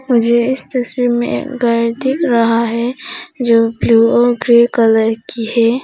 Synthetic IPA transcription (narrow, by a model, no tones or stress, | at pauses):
mʊd͡ʒʱeɪst̪ɐswiːɾmḛ̃ʔḛːkɡəːɾt̪ɪkɾɐɦaɦɛd͡ʒoːbluːoɡɾekələɾkihɛː